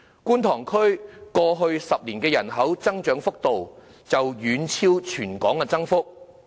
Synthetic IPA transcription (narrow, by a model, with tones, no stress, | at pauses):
kuː˥nt̪ʰɔː˨˩ŋkʰɵ˥ɥkɔː˧ɦɵ˧ɥsɐ˨p̚liː˨˩nkɛː˧jɐ˨˩nɦɐ˨˥wt͡sɐ˥ŋt͡ʃœː˨˥ŋfʊ˥k̚t̪o˨w | t͡sɐ˨wjyː˨˧nt͡sʰiː˥wt͡ʃʰyː˨˩nkɔː˨˥ŋːɐ˧t͡sɐ˥ŋfʊ˥k̚